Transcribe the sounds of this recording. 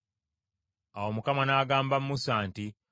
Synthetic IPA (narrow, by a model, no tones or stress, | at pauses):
awomukamanaːɡaːmbamːusaːnti